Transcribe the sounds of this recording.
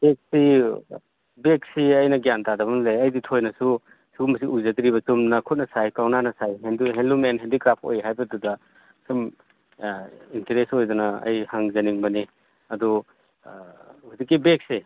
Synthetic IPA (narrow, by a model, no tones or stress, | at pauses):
b̥ek̚si | bek̚siɐjnɐɡjantadɐbɐnlejɐjditʰojnɐsu | suɡumɐs̬iʔuzɐd̪iɾiβɐsumnɐkʰut̚nɐsajkawnanɐsajɦenduɦenlumenɦendikɾapʰo̰jɦajbɐdudɐ | sum | inteɾesojdunɐɐ̰jhaŋzɐniŋbɐni | ɐdu | hudikːibek̚se